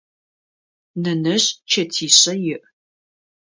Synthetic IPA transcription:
nɐnɐɕt͡ʃʰɐtʰiːɕɐjɪʔ

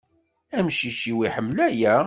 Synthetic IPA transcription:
æmʃiʃiwiħəmːlæjæ

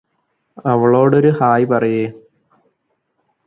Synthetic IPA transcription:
ɐʋɐɭo̞ːɽo̞ɾuhaːjpɐrɐjeː

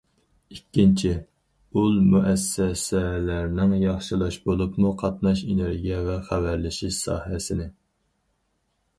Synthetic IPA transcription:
ikʲːint͡ʃʰi | ulˠmuʔɛsːɛsɛlæɾnɪŋjɑχʃɨlˠɑʃbolˠupmuqʰɑt̪nɑʃeneɾɡʲijɛvɛχævæɾlɪʃiʃsɑ̰ːhɛsɪnɪ

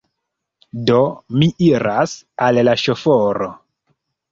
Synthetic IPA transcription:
domiʔiɾasallaʃofoɾo

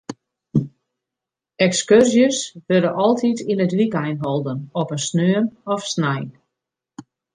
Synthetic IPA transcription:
ɛkskørsjəsʋødəʔɔlˠtʰitinətʋikɛjnɦɔlˠdənɔpənsnøːənɔfsnɛjn

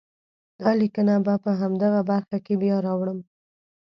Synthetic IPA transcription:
d̪̥ɑlikənabapəɦamd̪aɣabaɾxakebjɑɾɑwɳəm

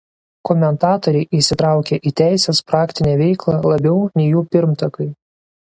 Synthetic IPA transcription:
kɔmʲɛnt̪ɑːt̪ɔɾʲɛɪʔiʃsʲɪt̪ɾɑˑʊkʲeʔiːt̪ʲæˑɪsʲespɾɑːkt̪ʲɪnʲeːʋʲɛɪklˠɑlˠɐbʲɛʊnʲɛɪjuːpʲɪɾmt̪ɐkɐɪ

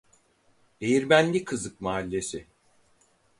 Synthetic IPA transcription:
d̪̥ejiɾbænʲlʲikʰɯzɯkmaːlʲːe̞sɪ

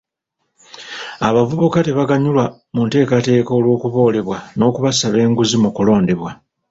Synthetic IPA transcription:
aβavuβukate̞βaɡaɲulwa | munte̞ːkate̞ːkoːlwo̞ːkuβo̞ːle̞βwano̞ːkuβasaβe̞ːŋɡuzimukulo̞ːnde̞βwa

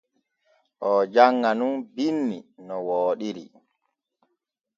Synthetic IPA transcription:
ʔɔd͡ʒaŋːanunbinːinɔwoːɗiɾḭ

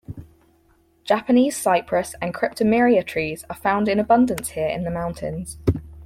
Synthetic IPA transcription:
d̥ʒ̥apəniːz̥saɪpʰɹəsə̃nkʰɹ̥ɪp̚tʰəmɪːɹiətʰɹ̥iːz̥əfãʊ̃ndɪ̃nəbʌ̃ndə̃nshɪəɹɪ̰̃nðəmãʊ̃ntʰɪ̰̃nz̥

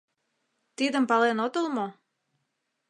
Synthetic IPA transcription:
t̪id̪əmpɑlenot̪olmo

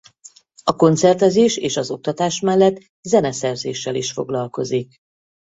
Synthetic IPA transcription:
ɒko̞nt̪sɛrt̪ɛzeːʃeːʃɒzo̞k̚t̪ɒt̪aːʃmɛlːɛt̪ː | zɛnɛsɛrzeːʃːɛliʃfo̞ɡlɒlko̞zik̚

